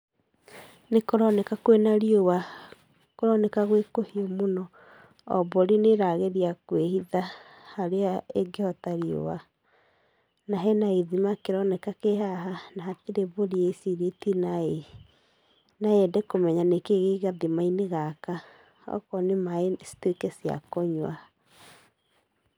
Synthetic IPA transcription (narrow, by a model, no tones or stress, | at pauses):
nekoɾɔnɛkakwenaɾiowa | koɾɔnɛkaɣwekohiomonɔ | ɔ̰boɾineɾaɣeɾiakwehiða | haɾeaeɡehɔtaɾio̰wa | naɦɛnaeðimakeɾɔnɛkakeɦaɦanaːteɾeβoɾiesiɾetinae | naɛdɛkomɛɲanekeɣeɣaðimaineɣaka | ɔ̰kɔnemaesi̥tekɛsija̰kɔɲwa̰